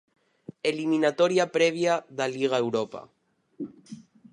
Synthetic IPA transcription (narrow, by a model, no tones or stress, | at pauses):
eliminat̪ɔɾiapɾɛβ̞jaðaliɣ̞aewɾɔpa̰